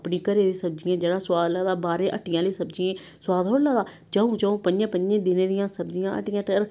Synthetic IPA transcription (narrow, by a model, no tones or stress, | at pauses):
pnĩːkəɾeːd̪eːsəb̚d͡ʒɪjãːd͡ʒeːɽaːswaːd̪laːd̪aːbaːɾẽːʔəʈɪjãːliːsəbd͡ʒɪjẽː | swaːd̪ɦoːɽlaːd̪aː | d͡ʒəːõːt͡ʃəːõːpəɲd͡ʒãːpəɲd͡ʒẽːd̪ɪneːd̪ɪjãːsəbd͡ʒɪjãːʔə̰ʈɪjãːʈəɾ